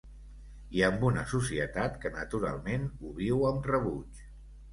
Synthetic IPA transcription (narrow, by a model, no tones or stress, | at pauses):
iəmbunəsusiət̪at̪kənət̪uɾa̰lˠmenuβiwəmrəβut͡ʃ